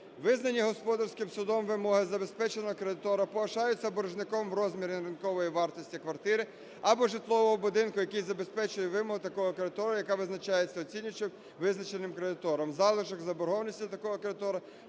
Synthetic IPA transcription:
ʋɪznɐnʲːiɦɔspɔd̪ɐrsʲkɪmsʊd̪ɔmʋɪmɔɦɪzɐbe̞spɛt͡ʃenɔɦɔkɾed̪ɪt̪ɔɾɐpɔʋɐʃɑjʊt͡sʲːɐbɔɾʊʒnɪkɔmʋɾɔzmʲiɾʲɪnɐɾɪnkɔʋɔjiʋɑrt̪ɔsʲtʲikʋɐrt̪ɪɾɪ | ɐbɔʒɪt̪lˠɔʋɔɦɔbʊd̪ɪnkʊjɐkijzɐbe̞spɛt͡ʃʊjɛʋɪmɔɦʊt̪ɐkɔɦɔkɾed̪ɪt̪ɔɾɐjɐkɑʋɪznɐt͡ʃɑjet͡sʲːɐɔt͡sʲinʲʊt͡ʃɪw | ʋɪznɐt͡ʃenɪmkɾed̪ɪt̪ɔɾɔmzɑlˠɪʒɔɡzɐbɔɾɦɔwnʲisʲtʲit̪ɐkɔɦɔkɾed̪ɪt̪ɔɾɐ

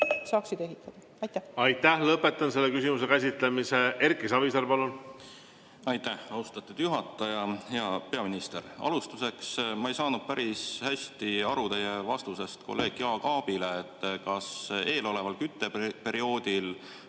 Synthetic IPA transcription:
sɑːksid̪e̞ɦit̪ːˑɑd̪̥ɑ | ɑjt̪ːˑæhɑjt̪ːˑæhlɤpːet̪ːˑɑnse̞lːekysimusekæsit̪lemisee̞rkisɑvisɑɾpɑlun | ɑjt̪ːˑæhɑwst̪ɑt̪ˑːud̪̥juɦɑt̪ːˑɑjɑhe̞ɑpe̞ɑminist̪e̞ɾɑ̰lust̪use̞ksmɑe̞jsɑːnud̪̥̚pæɾishæsʲt̪iɑɾut̪e̞jevɑst̪use̞st̪ko̞̰lːe̞ːɡ̥jɑːkɑːb̥ile̞ːt̪ːˑkɑse̞ːlo̞le̞vɑlkyt̪ˑːe̞pe̞ɾio̞ːd̪̥il

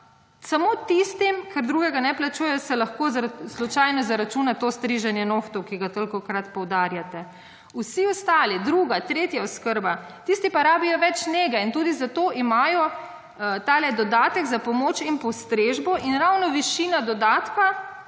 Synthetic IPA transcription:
samot̪ist̪imkɛɾd̪ɾuːɡɛɡanɛplat͡ʃujɛjɔsɛlaxkozzlɔt͡ʃajnɔzaɾat͡ʃuːnat̪ost̪ɾiʒanjɛnoːxt̪ɔwkiɡat̪olikɔkɾat̪pɔwd̪aːɾjat̪ɛ | usiɔst̪aːlid̪ɾuɡat̪ɾeːt̪jaɔskəɾba | t̪ist̪ipaɾaːbijɔʋɛt͡ʃneːɡɛint̪uːd̪izat̪oːʔimaːjɔ | t̪aːlɛd̪ɔd̪aːt̪ɛɡzapɔmoːt͡ʃinpɔst̪ɾeʒbɔʔinɾawnɔʋiʃiːnad̪ɔd̪at̪ka

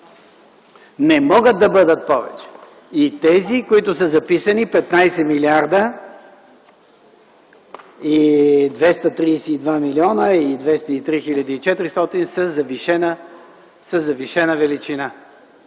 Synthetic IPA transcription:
nɛmɔɡət̪̚d̪ːɐbɤd̪ət̪̚pɔvɛ̰t͡ʃɛ̥ | it̪ɛzikoit̪ʊsəzɐpisənipɛt̪najsɛmiliaɾd̪ə | id̪vɛst̪ət̪ɾiːsiːd̪vamiliɔnəid̪vɛst̪əit̪ɾixilʲad̪iːt͡ʃɛt̪ɾist̪ɔt̪insəzɐviʃɛnə | səzɐviʃɛnəvɛlit͡ʃina

